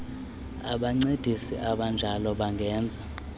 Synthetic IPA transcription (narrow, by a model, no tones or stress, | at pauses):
a̰ɓaŋ͡ǀed̥ʱisḭʔaɓand͡ʒʱalɔɓaŋɡʱɛːnd͡zʱa